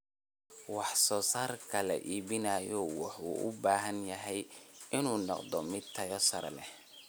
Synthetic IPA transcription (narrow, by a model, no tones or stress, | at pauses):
wɑħsɔːsaːrkʰɐlɐ̰ʔiːbɪnaːjɔwɑħuːʔʊ̰baːɦɐnjɐɦɛjɪnuːnɔqd̪ɔmɪd̪̚t̪ʰɐjɔsɐɾɛ̰lɛ